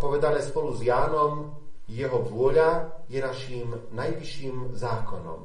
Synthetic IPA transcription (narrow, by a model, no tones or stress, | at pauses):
pɔʋɛd̪anɛːspɔluzjaːnɔm | jɛɦɔʋʊɔʎajɛnaʃim | najʋiʃːiːmzaːkɔnɔ̰m